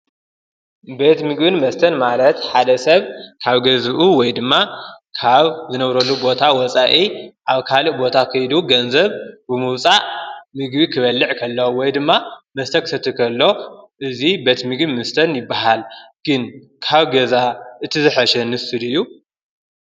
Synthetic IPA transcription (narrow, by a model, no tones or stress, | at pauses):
be̞t̪mɨɡbɨnmɐst̪ʰɐnmalɐt̪ħad̪ɐsɐβkʰaβɡɐzʔuwɔjd̪ɨmːakʰaβzɨnɐβɾɐlːubo̞t̪ʰawɔt͡sʼaʔiʔaβkʰalɨʔbo̞t̪ʰakʰɨjd̪uɡɐnzɐβbɨmɨwt͡sʼaʔmɨɡbikʰɨβɐlːɨʕkʰɐlːowɔjd̪ɨmːamɐst̪ʰɐkʰɨ̥sɐt̪ʰːɨkʰɐlːo̞ʔɨzibe̞t̪mɨɡbɨnmɐst̪ʰɐnjɪbːaɦalɡ̥ɨn | kʰaβɡɐzaʔɨt̪ʰizɨħaʃɛnɨsɨlɨjːu